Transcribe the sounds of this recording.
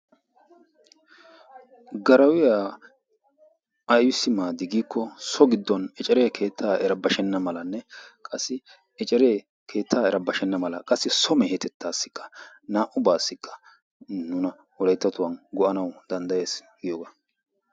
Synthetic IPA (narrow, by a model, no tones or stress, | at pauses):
ɡɐɾɐwɪja | ɐjwɪsːɪmaːd̪ɪɡiːkʰːɔsɔɡɪd̪ːɔnɛt͡ʃʼɛɾe̞ːkʰe̞ːt̪ʰːaːɛɾɐbɐʃɛnːɐmɐlɐnːɛkʼɐsːɪ | ɛt͡ʃʼɛɾeː | kʰe̞ːt̪ʰːaːɛɾɐbɐʃɛnːɐmɐlɐkʼɐsːɪsɔmɛhɛt̪ʰɛt̪ʰːaːsːɪ̥kʰːɐ̥ | naːʔʊbaːsːɪkːɐ̥ | nʊnɐ | wɔlɐjt̪ːɐt̪ʊwɐnɡɔʔɐnɐwd̪̥ɐnd̪ɐje̞ːs | ɡɪjoːɡa